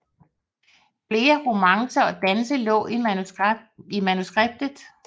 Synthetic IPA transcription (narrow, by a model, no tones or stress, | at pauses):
fle̝ːɐʁumɑ̈ŋsɐɒ̽d̥ænsəlɔ̰̽ːi | imænusɡ̥ʁeb̥̚d̥ð̩ˠ